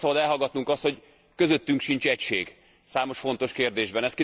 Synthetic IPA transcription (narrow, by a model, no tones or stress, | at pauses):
sɒbɒd̪ɛlɦɒɡɒt̪nuŋkɒst̪ho̞ɟ | kø̞zøt̪ːyŋkʃint͡ʃɛcʃeːɡ | saːmo̞ʃfo̞n̪t̪o̞ʃkeːrd̪eːʒbɛnɛst̪ki